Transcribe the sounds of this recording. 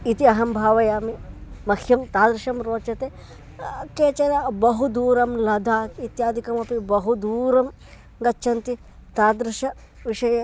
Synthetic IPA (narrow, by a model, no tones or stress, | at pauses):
it̪iɐɦɐmbʱaːʋɐjaːmimɐkʰjɐmt̪aːd̪ɾuʃɐmɾoːt͡ʃɐt̪eː | keːt͡ʃɐɾɐbɐɦud̪uːɾɐmlɐd̪ʱaːit̪jaːd̪ʱikɐmɐpibɐɦud̪uːɾɐm | ɡɐtːʃʰɐnt̪i | t̪aːd̪ɾɪʃɐ | ʋiʃɐjɐ